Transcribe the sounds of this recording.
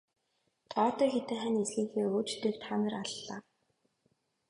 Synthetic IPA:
t̪ʰɔːt̪œːxet̪ɘ̆ŋχænesɣiːŋxeːoːt͡ɕt̪ʰekt̪ʰaːnə̆raɮːaː

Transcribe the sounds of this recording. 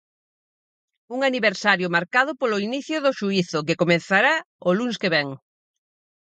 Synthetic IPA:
uŋaniβeɾsaɾjʊmaɾkað̞ʊpolʊiniθjʊðʊʃuiθʊkekomenθaɾa | olunskeβɛŋ

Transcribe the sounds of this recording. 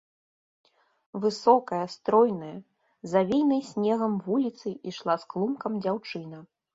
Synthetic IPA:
vɨsɔkɐjɐst̪ɾɔjnɐjɐ | zavʲejnɐjsʲnʲɛɣɐmvulʲit̪sɨʔiʂlˠasklˠumkɐmd͡zʲawt͡ʂɨnɐ

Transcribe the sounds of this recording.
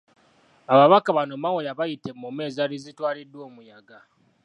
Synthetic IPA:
aβaβakaβano̞mawojaβajite̞mume̞ːzalizitwaːlidːwo̞ːmujaɡa

